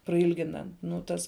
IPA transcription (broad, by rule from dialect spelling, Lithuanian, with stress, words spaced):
prɐˈɪlʲɡʲɪnɐ nuː ˈtɐs